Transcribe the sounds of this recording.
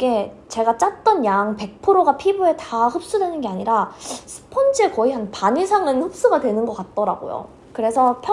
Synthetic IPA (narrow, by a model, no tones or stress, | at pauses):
iɡe̞t͡ɕe̞ɡat͡ɕ͈at̚t͈ʌnjaŋpe̞k̚pʰɯɾoɡapʰibue̞tahɯp̚s͈udwe̞nɯnɡe̞aɲiɾasʰɯ̥pʰʌnd͡ʑʰɯekʌiɦanpaɲisʰaŋɯnhop̚s͈uɡadwe̞nɯnɡʌk͈at̚t͈ʌɾaɡo̰jo̰ | kɯɾe̞sʰʌpʰj